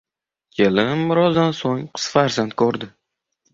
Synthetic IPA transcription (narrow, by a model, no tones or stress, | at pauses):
kʲʰelɪmːʊɾɒzd̪ansoŋqʰɨ̥sfaɾzant̪̚kʰɵɾd̪ɪ